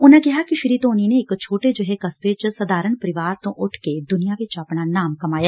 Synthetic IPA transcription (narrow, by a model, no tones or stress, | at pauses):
ʊnɛ̃ːkɪɦaːkɪʃɪɾiːt̪oːniːneːɪkt͡ʃʰoːʈed͡ʒʊɦeːkəsbeːt͡ʃsəd̪aːɾəɳpəɾɪʋaːɾt̪õːʔʊʈʰked̪ʊnɪjãːʋɪt͡ʃapɳaːnaːmkəmaːjaː